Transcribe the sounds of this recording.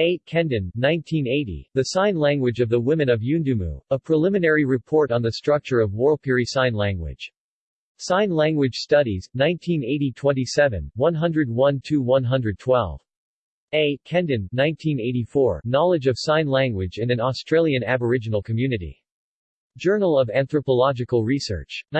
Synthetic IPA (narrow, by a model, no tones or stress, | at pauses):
eɪkʰɛ̃ndɨ̃nːãɪ̃ntʰĩneɪɾḭðɨsãɪ̃nlæ̃ŋɡwɨd͡ʒʌvðəwɪ̃mɨ̃nʌvjʉ̃ndɨmṵəpʰɹ̥əlɪ̃mɨnɛɹiɹɨpʰɔɹɾn̩ðɨstɹ̥ʌk̚t͡ʃə˞ʌvwɔɹlˠpʰɪɹisãɪ̃nlæ̃ŋɡwɪ̰d̥ʒ̥ | sãɪ̃nlæ̃ŋɡwɨd̥ʒ̥stʌɾiznãɪ̃ntʰĩneɪɾitʰw̥ɛ̃ntisɛvɨ̰̃nwʌ̃nɦʌ̃ndɹɨd̚wʌ̃ntʰʉwʌ̃nɦʌ̃ndɹɨd̚tʰw̥ɛ̰lˠv̥ | eɪkʰɛ̃ndɨ̃nːãɪ̃ntʰĩneɪɾifɔɹnɑlˠɨd͡ʒʌv̥sãɪ̃nlæ̃ŋɡwɨd͡ʒɨ̃nɨ̃nɔstɹ̥eɪlˠjɨ̃næbə˞ɪd͡ʒɨnl̩ˠkʰɨmjʉnɨɾḭ | d̥d͡ʒɜ˞nl̩ˠʌvæ̃nθɹəpəlɑd͡ʒɨkl̩ˠɹisɜ̰˞t͡ʃ